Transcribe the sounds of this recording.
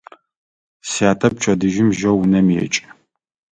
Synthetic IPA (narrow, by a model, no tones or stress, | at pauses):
saːtʰɐp̚t͡ʃʰʼɐdɨʒɪmʒɐwunɐmɛ̰t͡ʃʼ